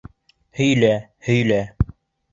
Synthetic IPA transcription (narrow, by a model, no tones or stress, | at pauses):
hɵ̆jlæhɵ̆jlæ